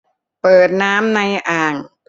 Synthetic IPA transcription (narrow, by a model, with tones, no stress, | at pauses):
pɤː˨˩t̪̚naː˦˥mna˧jʔaː˨˩ŋ